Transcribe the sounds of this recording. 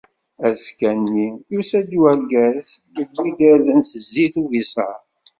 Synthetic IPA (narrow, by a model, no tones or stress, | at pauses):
æskænːijusæd̪wæɡæzɡəd̪wid̪əɾðənsəzːiθuvisə